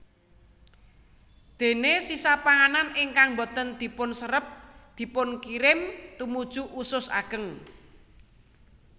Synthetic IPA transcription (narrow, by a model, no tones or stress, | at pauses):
d̪̥e̤nesisapaŋananɪŋkaŋbo̤t̪ənd̪̥i̤pʊnsəɾəp̚d̪̥i̤pʊnkiɾɪmt̪umud̥ʒ̥uʔusʊsa̰ɡ̥əŋ